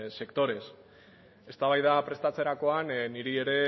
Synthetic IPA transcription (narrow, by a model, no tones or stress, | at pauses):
se̞kt̪o̞ɾe̞s | e̞st̪aβajðapɾe̞st̪at͡se̞ɾako̞anniɾie̞ɾe̞